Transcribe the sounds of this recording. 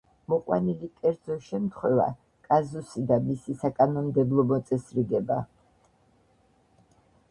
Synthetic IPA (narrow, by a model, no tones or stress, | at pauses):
mɔqʼwa̰nilikʼɛɾd̪zɔʃɛmt̪ʰχwɛva̰ | kʼazusid̪amisisakʼanɔmd̪ɛblˠɔmɔt̪sʼɛsɾiɡɛba